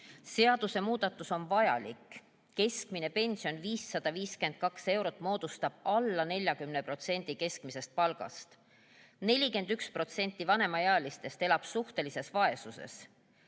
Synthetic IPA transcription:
se̞ɑd̪̥use̞muːd̪̥ɑt̪ːˑuso̞nvɑjɑ̰likː | e̞skmine̞pe̞nʲsijo̞nviːsːɑd̪̥ɑviːske̞nd̪̥̚kɑkse̞wɾo̞t̪ːˑmo̞ːd̪̥ust̪ɑb̥ɑlːɑne̞lʲjɑkymne̞pro̞t̪se̞nʲd̪̥ike̞skmise̞st̪̚pɑlɡ̥ɑ̰st̪ | ne̞lʲike̞nd̪ykspro̞t̪se̞nʲt̪ːˑivɑne̞mɑjeɑːlist̪e̞st̪e̞lɑb̥suht̪e̞lise̞svɑe̞suse̞̰s

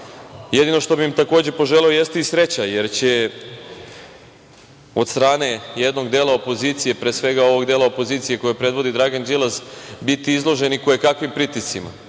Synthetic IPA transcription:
je̞d̪ino̞ʃt̪o̞bimt̪ako̞ːd͡ʑe̞po̞ʒe̞leo̞je̞st̪eisɾe̞t͡ɕaje̞ɾt͡ɕe̞ | o̞d̪st̪ɾaːne̞je̞d̪no̞ɡd̪eːlaopo̞ziːt̪sije̞pɾesʋe̞ɡao̞ʋo̞ɡd̪eːlˠaopo̞ziːt̪sije̞ko̞jepɾe̞d̪ʋo̞d̪id̪ɾaɡand͡ʒilˠazbit̪iizlˠo̞ʒe̞nikojekakʋimpɾit̪isima̰

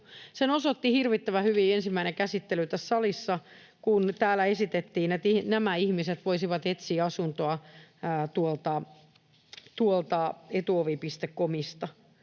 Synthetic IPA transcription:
senosot̪ːihirʋit̪ːæʋæhyʋiːensimːæinekæsit̪ːelyt̪æssɑlisːɑ | kunt̪æːlːæesit̪et̪ːiːnet̪inæmæihmiset̪ʋoisiʋɑt̪et̪siːɑsunt̪oɑː | t̪uolt̪ɑ | t̪uolt̪ɑet̪uoʋipist̪ekːomist̪ɑ

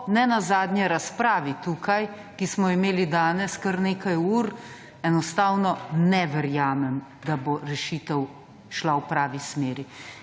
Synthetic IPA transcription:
nɛnazaːd̪ɲɛɾaspɾaːʋit̪uːkaj | kismɔimeːlid̪aːnɛskəɾneːkajuːɾ | ɛnɔst̪aːwnɔnɛʋɛɾjaːmɛm | d̪aboɾɛʃiːt̪ɛw | ʃlawpɾaːʋismeːɾi

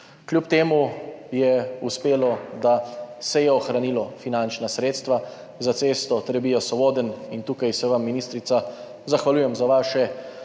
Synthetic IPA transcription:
kljup̚t̪eːmujɛuspeːlɔd̪asɛjɛɔxɾaniːlɔfinant͡ʃnasɾeːt̪st̪ʋa | zat̪seːst̪ɔt̪ɾɛbijasɔboːd̪ənint̪uːkajsɛʋamːiniːst̪ɾit̪sa | zaxʋaljuːjɛmzaʋaːʃɛ

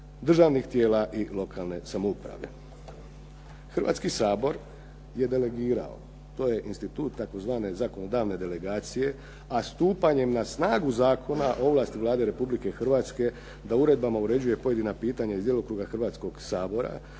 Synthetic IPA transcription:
d̪r̩ʒaʋnixt̪jeːlaʔilˠo̞kʰaːlne̞samoupɾa̰ʋe̞ | xr̩ʋa̰ːt̪skisaːbo̞ɾ | je̞d̪e̞le̞ɡiːɾa̰o̰ | t̪o̞ːje̞ʔinst̪it̪uːt̪ːako̞zʋaːne̞zako̞no̞d̪aːʋne̞d̪e̞le̞ɡaːt̪sije̞ | ast̪uːpaɲe̞mnasnaːɡuzaːkʰo̞naʔoʋlˠaːst̪iʋlˠaːd̪e̞ɾe̞publike̞xr̩ʋaːt̪ske̞ | d̪auɾe̞d̪bamauɾe̞d͡ʑuje̞po̞jed̪inapiːt̪aɲaizd̪jelˠokɾuːɡaxrʋaːt̪sko̞ɡsaːbo̞ɾa̰

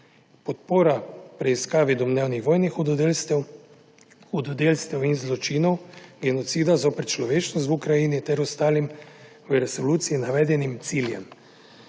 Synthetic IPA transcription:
pɔt̪̚poːɾapɾɛiskaːʋid̪ɔmnɛwnixʋɔːjnix | xud̪ɔd̪eːlst̪ɛwinzlɔt͡ʃiːnɔwɡɛnɔt̪siːd̪azoːpɛt̪t͡ʃlɔʋeːt͡ʃnɔs̬t̪ukɾajiːnit̪ɛɾɔst̪aːlim | ʋəɾɛsɔluːt̪siinaʋɛːd̪ɛnimt̪siljɛm

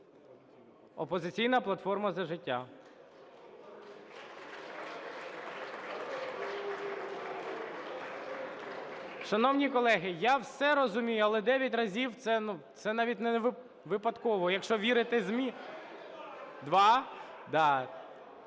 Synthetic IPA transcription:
ɔpɔzɪt͡sʲijnɐplˠɐt̪fɔrmɐzɐʒɪtʲːa | ʃɐnɔwnʲikɔlˠɛɦɪjawsɛɾɔzʊmʲijʊɐlˠɛd̪ɛʋʲjɐt̬ʲrɐzʲiwt̪sɛnut̪sɛnɑʋʲit̚ʲnɛʋ | ʋɪpɐd̪kɔʋɔjɐkʃt͡ʃɔʋʲiɾɪt̪ɪzʲmʲi | d̪ʋɑ | d̪ɑ

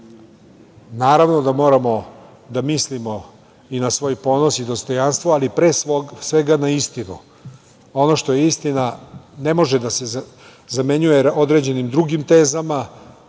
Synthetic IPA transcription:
naːɾaʋno̞d̪amo̞ːɾamo̞ | d̪amislimo̞ | inasʋo̞ːjpo̞ːno̞sid̪o̞st̪o̞janst̪ʋoalipɾeːsosʋe̞ɡanaist̪inṵ | o̞no̞ʃt̪o̞jeist̪inane̞mo̞ʒed̪ase | zame̞ɲujeod̪ɾe̞d͡ʑe̞nimd̪ɾuɡimt̪e̞ːzama

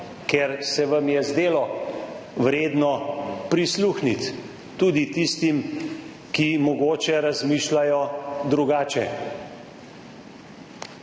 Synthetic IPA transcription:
keɾsɛʋamjɛzd̪eːlɔ | ʋɾeːd̪nɔpɾisluːxnit̪ː | uːd̪it̪ist̪im | kimɔɡoːt͡ʃɛɾazmiːʃlajɔd̪ɾuɡaːt͡ʃɛ

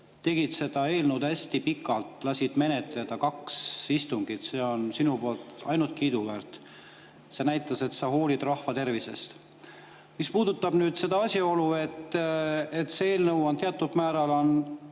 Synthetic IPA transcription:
t̪e̞ɡ̥id̪̥se̞d̪̥ɑe̞ːlnud̪æsʲt̪ipikːˑɑlt̪lɑsʲid̪̥me̞ne̞t̪ˑle̞d̪̥ɑkɑksist̪uŋɡ̥it̪se̞ːo̞nsinupolt̪ɑ̰jnult̪̚kiːd̪uvært̪ | se̞næjt̪ːˑɑse̞t̪sɑho̞ːlid̪rɑhfɑt̪e̞rvise̞̰st̪ | mispuːd̪̥ut̪ːˑɑb̥nyːd̪se̞d̪ɑɑsʲio̞lue̞t̪ː | et̪seeːlnɤwont̪eɑt̪ːˑub̥̪mæːɾɑlo̞n

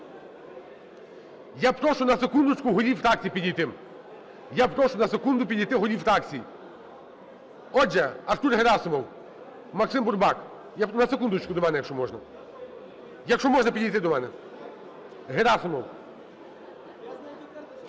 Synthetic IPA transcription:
japɾɔʃʊnɐsekund̪ʊt͡ʃkʊɦɔɾʲiwfɾak̚t͡sʲijipʲidʲijt̪ɪm | japɾɔʃʊnɐsekund̪ʊpʲid̪ʲijt̪ɪɦɔɾʲiwft̪akt͡sʲiji | ɔd͡ʒɛɐɾt̪uɾɦeɾasɪmɔw | mɐksɪmbʊrbɑk | janɐsekund̪ʊt͡ʃkʊd̪ɔmɛnɛjɐkʃɔmɔʒnɐ | jɐkʃɔmɔʒnɐpʲid̪ʲijt̪ɪd̪ɔmɛnɛ | ɦeɾasɪmɔw

